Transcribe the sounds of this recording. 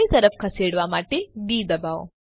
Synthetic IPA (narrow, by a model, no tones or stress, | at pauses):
it̪ɐɾɐfkʰɐseːɽʋaːmaːʈed̪iːd̪ɐbaːo̰